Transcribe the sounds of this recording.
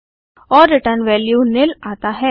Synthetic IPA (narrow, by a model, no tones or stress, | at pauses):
ɔːɾːɪʈəɾnʋɛːljunɪlaːt̪aɦɛː